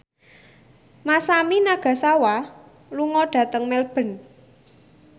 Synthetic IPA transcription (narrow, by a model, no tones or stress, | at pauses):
masaminaɡ̥ä̤sawa | luŋɔɖ̥ä̤t̪əŋmɛlb̥ə̤n